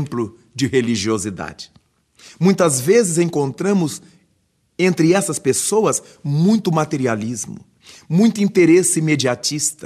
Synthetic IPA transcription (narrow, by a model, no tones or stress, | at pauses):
mplʊ | d͡ʒɪheliʒiozid̪a̰d͡ʒɪ̥ | mũj̃t̪ɐzvezɪzẽŋkõnt̪ɾɐ̃mʊz | ẽnt̪ɾɪɛsɐspesowɐs | mũj̃t̪ʊmat̪eɾializmʊ̰ | mũj̃t̪ʊĩnt̪eɾesɪmed͡ʒiat͡ʃist̪ɐ